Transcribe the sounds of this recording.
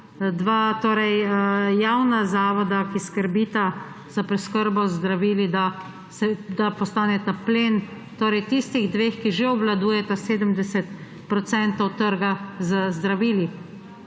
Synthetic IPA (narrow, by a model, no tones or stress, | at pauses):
d̪ʋaːt̪oːɾɛjjawnazaːʋɔd̪akiskəɾbiːt̪a | z̥apɾɛskəɾbɔzd̪ɾaʋiːlid̪a | sɛd̪apɔst̪aːnɛt̪apleːn | t̪oːɾɛjt̪ist̪iɣd̪ʋeːxkiʒeɔblad̪uːjɛt̪aseːd̪əmd̪ɛsɛt̪ | pɾɔt̪sɛnt̪ɔwt̪əɾɡazəzd̪ɾaʋiːli